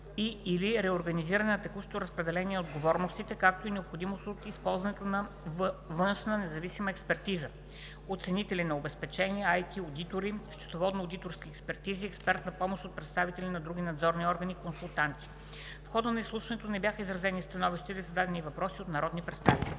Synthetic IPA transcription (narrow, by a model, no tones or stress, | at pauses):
iːliɾɛoɾɡɐniziɾɐnɛnɐt̪ɛkuʃnot̪oɾəspɾɛd̪ɛlɛniɛod̪̚ɡovɔɾnost̪it̪ɛkak̚t̪oinɛopxod̪imost̪ot̪ispɔlˠzvɐnɛt̪onɐ | vɤnʃnənɛzɐvisiməɛkspɛɾt̪izə | ot̪sɛnit̪ɛlʲinɐobɛspɛt͡ʃɛniɛajk̪iod̪it̪oɾist͡ʃɪ̥st̪ˠovɔd̪nood̪it̪oɾsk̟ʲiɛkspɛɾt̪iziɛkspɛɾt̪nɐpɔmoʃot̪̚pɾɛt̪st̪avit̪ɛlʲinɐd̪ɾuɡ̟ʲinɐd̪zɔɾniɔɾɡənikonsulˠt̪ant̪i̥ | fxɔd̪ənɐislˠuʃvɐnɛt̪onɛbʲjaxəizɾɐzɛnist̪ɐnɔviʃt̪ɛilʲizɐd̪ad̪ɛnivɐpɾɔsiot̪nɐɾɔd̪nipɾɛt̪st̪avit̪ɛ̰lʲi